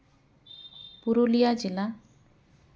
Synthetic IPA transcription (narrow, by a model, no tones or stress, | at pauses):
puɾulijad͡ʒila